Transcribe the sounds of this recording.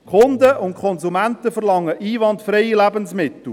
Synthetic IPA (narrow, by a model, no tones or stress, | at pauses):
kʰχʊnd̪əʔʊnkʰχɔnzumæntəfəɾlɑŋːəʔiːʋɑntfɾeɪjilæbənsmɪt̪l̩ˠ